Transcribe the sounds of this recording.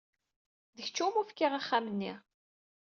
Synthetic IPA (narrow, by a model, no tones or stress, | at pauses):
ðəçt͡ʃːumufkːiʁaχːamənːiʁ